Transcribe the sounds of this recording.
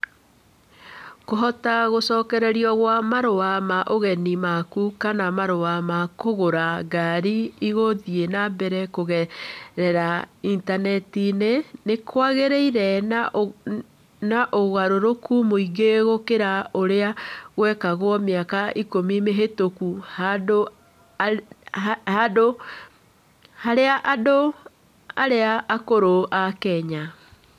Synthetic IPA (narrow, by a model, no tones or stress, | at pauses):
koɦɔtaɣosɔːkɛɾɛɾiɔɣwamaɾowamaʔoɣɛnimakukanamaɾowamakoɣoɾaɡaɾiiɣoðienabɛɾɛkoɣɛɾɛɾaintanɛtinenekʰwaɣeɾeiɾɛ | naʔoɣaɾoɾokumoiɣeɣokeɾaoɾeaɣwɛkaɣwɔmeakaʔikomimeɦetokuhado | hado | haɾeaʔado | aɾeaʔːkoɾoʔakɛɲa